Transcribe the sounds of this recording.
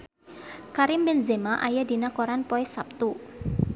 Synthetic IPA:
kaɾɪmbɛnzemaʔajadinakoɾanpɔɛsap̚t̪u

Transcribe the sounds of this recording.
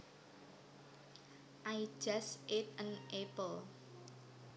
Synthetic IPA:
ʔai̥ʒ̥asʔet̪̚ənʔepəl

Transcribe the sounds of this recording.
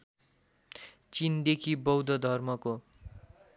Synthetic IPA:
t͡sind̪ekʰibʌwd̪ʱʌd̪ʱʌrmʌko

